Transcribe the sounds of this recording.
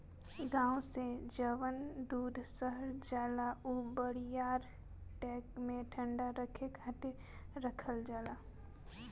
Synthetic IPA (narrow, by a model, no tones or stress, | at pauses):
ɡãːũsed͡ʒəʋənd̪uːd̪ʱsəɦəɾd͡ʒaːlauːbəɽijaːɾ | ʈɛːkmẽʈʰə̃ɳɖaɾəkʰekaʈ̪e | ɾəkʰəld͡ʒaːlaː